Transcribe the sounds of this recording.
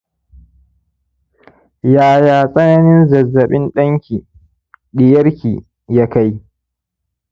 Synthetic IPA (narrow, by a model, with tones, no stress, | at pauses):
jaː˨jaː˨sʼɐ˦nɐ˦nɪ˦nzɐ˨zːɐ˨ɓɪ˦nɗɐ˦ŋkʲi˨ | ɗɪ˨jɐ˦rkʲiː˨ | ja˦ka˦j